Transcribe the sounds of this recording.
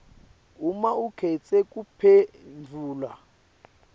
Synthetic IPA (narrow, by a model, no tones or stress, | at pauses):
umaukʰɛt͡sʼɛkʼupʰɛ | nd͡vʱuːlwa